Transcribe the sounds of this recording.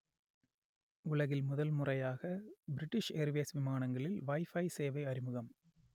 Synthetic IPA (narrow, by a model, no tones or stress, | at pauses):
ʊlɐɣɪlmʊðɐlmʊrɐjaːɣɐbɪɾɪʈːɪʂeɾʋɪjɐsʋɪmaːnɐŋɡɐɭɪlʋɐɪfɐɪseːʋɐɪɐɾɪmɯɣɐm